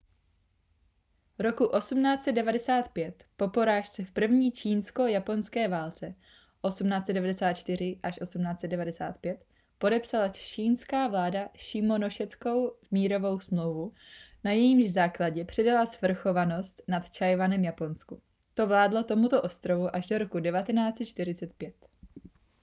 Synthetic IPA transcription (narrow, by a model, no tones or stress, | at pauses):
vɾo̞kuʔo̞sumnaːt͡sɛt̪dɛvadɛsaːt̪pjɛt̪po̞po̞ɾaːʃt͡sɛfpr̩vɲiːt͡ʃiːnsko̞japo̞nskɛːvaːlt͡sɛ | ʔo̞sumnaːt͡sɛt̪dɛvadɛsaːt̪̚t͡ʃt̪ɪr̝ɪʔaʃʔo̞sumnaːt͡sɛt̪d̪̚dɛvadɛsa̰ːt̪̚pjɛt̪ | po̞dɛpsalat͡ʃiːnskaːvlaːdaʃɪmo̞noʃɛt͡sko̞wmiːɾo̞vo̞wsmlowvu | najɛjimʒzaːklaɟɛpr̝̥ɛdalasvr̩xo̞vano̞st̪nat̪t͡ʃajvanɛmjapo̞nsku | t̪o̞vlaːdlo̞t̪o̞mut̪oʔo̞st̪ɾo̞vuʔaʒdo̞ɾo̞kudɛvat̪ɛnaːt͡sɛt̪t͡ʃt̪ɪɾɪt͡sɛt̪̚pjɛt̪